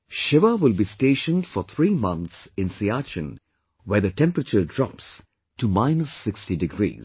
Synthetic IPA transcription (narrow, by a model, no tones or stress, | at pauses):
ʃɪʋəwɪlˠbisteːʃə̃ndfɔt̪ʰɹiːmʌ̃nt̪sɪ̃nsiat͡ʃə̰̃n | wɛðətɛ̃mpɾət͡ʃədɹɑps | tumaɪnəsːɪkstidɪɡɾḭːz